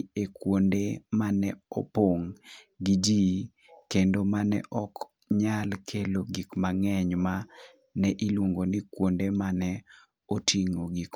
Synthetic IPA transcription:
ekwondemanɛɔpoŋ | ɡid͡ʒi | kendomanɛ̰ʔɔk | ɲalkʰeloɡikmaŋɛɲma | nɛʔiluŋɡonikwondemanɛ | otʰiŋoɡik

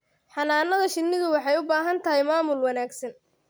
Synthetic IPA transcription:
ħɑnaːnɐðɐʃɪnːɪðʊwɑħɑjʊbaːɦɐnt̪ʰɐɦɛjmaːmʊlwɑnaːɡsɐn

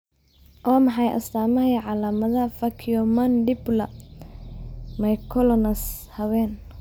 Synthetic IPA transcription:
ʔɔːmɑħɑjʔɐ̰st̪aːmɐɦiʕɑlaːmɐðɐfɐkʰijɔmɐnd̪ɪblɐ | mɐjkʰɔlɔnɐs | hɐwɛːn

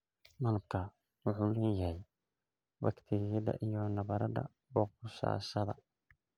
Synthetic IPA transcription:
mɐlɐb̚kʰɐ | wʊħuːlɛjɐɦɛj | bɐkt̪ʰɪɣɪjɐðɐ̰ʔijɔnɐβɐɾɐdɐ̰ | bɔːq̚ʊʃa̰ːʃɐðɐ̰

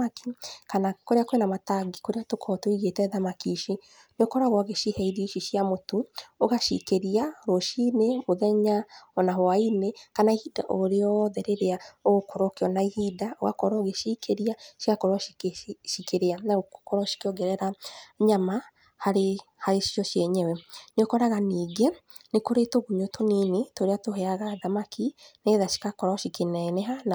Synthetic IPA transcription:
aki̥kanakoɾeakoenamataɡikoɾeatokʰɔtoiɣetɛðamakiʃi | neokɔɾaɣwɔɣeʃihɛiɾiʃiʃiamotooɣaʃḭkeɾiaɾoʃinemoðɛɲaɔnaɦoainekanaihida̰ʔoɾeɔðɛɾeɾeaoɣokoɾokeɔnaihidao̰ɣa̰kɔɾɔɣeʃikʰeɾiaʃikakoɾɔʃikeɾeanaokoɾɔʃi̥keɔɡɛɾɛɾaɲama | haɾehaɾeʃiɔʃjɛɲɛwɛnokɔɾaɣaniːɡe | nekoɾetoɣumotʰoninetoɾeatoɦɛaɣaðamakʰineðaʃi̥kakɔɾɔʃikenɛnɛɦana

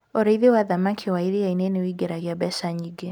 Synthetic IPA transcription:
oɾeiðewaðamakʰewaiɾiainenewiɡeɾaɣjabɛsaɲiɡe

